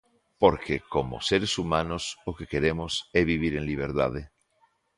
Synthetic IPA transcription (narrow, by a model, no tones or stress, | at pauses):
poɾkekomo̰seɾesumãnosokekeɾemoseβiβ̞iɾẽnliβ̞eɾt̪a̰ð̞e